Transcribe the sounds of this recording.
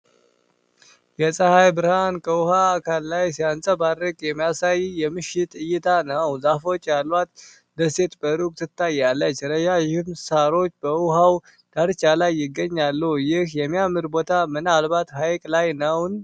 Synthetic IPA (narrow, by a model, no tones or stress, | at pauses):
jɛsʼəhajbɨɾhankʰəʊhaːkʰalːajsijansʼəbad̪ɾəkʼjɛmːijasajjɛmɨʃɪt̪ʼɨjɪt̪ʰanəwzafo̞t͡ʃːjalːat̪̚ | d̪əse̞t̪bəɾukʼt̪ʰɨt̪ʰːajalːət͡ʃːɾəʃajɪhɨmsaɾo̞t͡ʃːbəʊɦaw | d̪̥aɾt͡ʃʼalajːɪɡːəɲːalːəhjɪhjɛmːijamːɨɾbot̪ʰamɨnalbat̪hajkʼlajnəwn